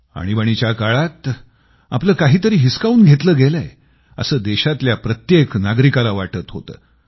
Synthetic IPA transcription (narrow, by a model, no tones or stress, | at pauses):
a̰ɽ̃ibəɽ̃it͡ɕjakaɭat̪ | apləːkaɦiːt̪əɾiːɦiskauːnɡʱet̪ləːɡeləḛ | ə̰səːd̪eɕat̪ljapɾət̪jeknaɡɾikalaʋaʈət̪ɦo̰t̪ə̰ː